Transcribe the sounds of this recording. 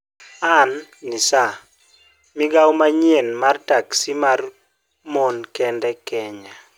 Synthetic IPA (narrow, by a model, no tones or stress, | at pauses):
anːisa | mɪɡawmaɲienmartaksimar | monkɛndɛkɛɲa